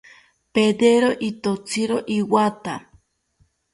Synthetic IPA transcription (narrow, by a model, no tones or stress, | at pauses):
ped̪eɾoʔit̪ot͡sʰiɾoʔiwat̪a